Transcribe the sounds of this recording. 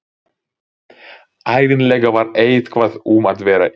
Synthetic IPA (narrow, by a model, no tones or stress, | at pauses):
aːjðɪnlɛːɣavaɾeːjðkʰvaðumaðvɛːɾa